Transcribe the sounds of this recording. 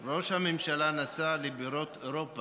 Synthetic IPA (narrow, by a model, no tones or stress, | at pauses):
ɾo̞ʃhamemʃalanasalebiɾot̪oɾopa